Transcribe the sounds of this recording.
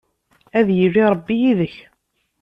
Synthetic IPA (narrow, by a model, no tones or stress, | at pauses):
æðjərːiɾˤəbːijiðəç